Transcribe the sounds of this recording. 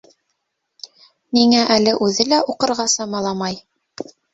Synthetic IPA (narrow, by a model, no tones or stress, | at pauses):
niŋæʔælɘʔʉðɘlæuqɤ̆ɾʁɑsɑmɑlˠɑmɑj